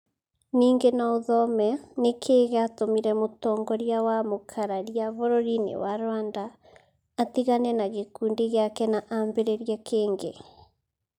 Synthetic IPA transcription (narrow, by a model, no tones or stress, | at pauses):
niːŋɡenaoðɔmɛnekʰeːɣeatomiɾɛmotɔŋɡɔɾjawamokʰaɾaɾjaβoɾoɾinḛwaɾwandaː | tiɣanɛnaɣekuːndiɣeakɛnaʔambeɾeɾiakʰeːŋɡe